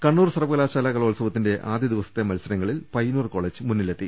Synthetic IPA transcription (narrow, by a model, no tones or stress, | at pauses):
kɐɳːuːrsɐrɐʋɐɣɐlaːɕaːlaːkɐɭoːlsɐʋɐt̪ːinde̞ʔaːd̪jɐd̪iʋɐsɐ̥t̪ːe̞mɐlsɐɾɐŋːɐɭilpɐjnuːrko̞ːɭeːd͡ʑɨmunːilet̪ːi